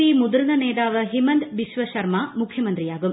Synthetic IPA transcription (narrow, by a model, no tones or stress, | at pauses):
iːmud̪ɐɾɐnɐnɛːd̪aːʋɐɦimɐnd̪ʋiʃʋɐʃɐɾmaːmukʰjɐmɐnt̪ɾijaːɡum